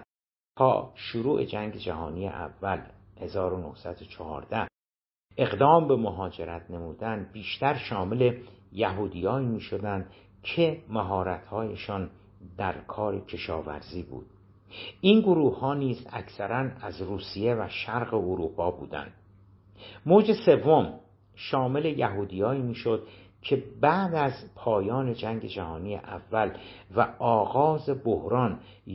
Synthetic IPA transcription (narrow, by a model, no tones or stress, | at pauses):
t̪ʰɒ̰ːʃoɾuːʔe̞̰d͡ʒæŋɟe̞d͡ʒæɦɒːnijḛʔæ̰vːæl | he̞zɒːɾonohsæd̪ot͡ʃʰɒhɒ̰ːɾd̪æh | ʔe̞ɣd̪ɒːmbe̞moɦɒːd͡ʒe̞ɾæt̪ʰne̞muːd̪ænbiːʃt̪æɾʃɒːmele̞jæɦuːd̪ijɒːiːmiːʃod̪ænd̪ | cʰemæɦɒːɾæt̪hɒːjeʃɒːn | d̪æɾkʰɒːɾe̞cʰe̞ʃɒːvæ̰ɾziːbṵːd̪̥̚ | inɡoɾuːhhɒːniːzæ̰kʰsæɾænæzɾuːsije̞væʃæɾɣe̞oɾuːpʰɒːbṵːd̪æ̰nd̪̥ | moːd͡ʒe̞se̞vːo̞m | ʃɒːme̞le̞jæɦuːd̪ijɒːiːmiːʃod̪̥̚ | cʰe̞bæʔd̪æzpʰɒːjɒːne̞d͡ʒæŋɟe̞d͡ʒæhɒːniːjḛʔævːælvæɒːɣɒːze̞bohɾɒːn